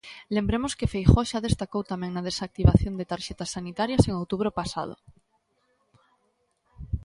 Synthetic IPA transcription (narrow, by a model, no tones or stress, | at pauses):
lembɾemoskefejxoʃað̞est̪akowt̪amẽŋnað̞esak̚t̪iβaθjond̪et̪aɾʃet̪asːanit̪aɾjaseŋowt̪uβ̞ɾopasa̰ð̞o̰